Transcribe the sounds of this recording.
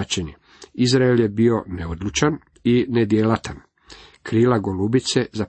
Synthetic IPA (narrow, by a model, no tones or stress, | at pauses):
t͡ʃene | izɾaelje̞bio̞neod̪lˠut͡ʃan | ined̪jelat̪an | kɾiːlaɡolubit̪se̞za